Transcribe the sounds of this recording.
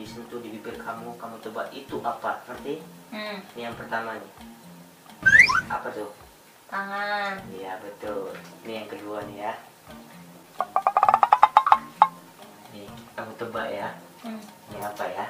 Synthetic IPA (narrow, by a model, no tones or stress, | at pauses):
isənt̪udibibɪrkʰamukamut̪əbaʔit̪uʔapasə̥pərt̪i | nijaŋpərt̪amani | apat̪ʊh | aŋanjabət̪ʊlnijaŋkəduanija | nɪkamut̪əbaʔja | niapaja